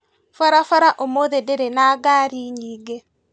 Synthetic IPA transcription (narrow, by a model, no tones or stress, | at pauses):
faɾafaɾaʔomoðedeɾenaːɡaːɾiɲiːɡe